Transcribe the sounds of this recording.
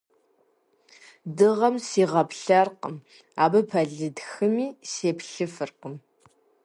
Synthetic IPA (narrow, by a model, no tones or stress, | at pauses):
dɨʁɐmsiːʁɐpɬɐrqəm | aːbɨpʰɐɮɨdxɨmiːseːpɬɨfɨrqəm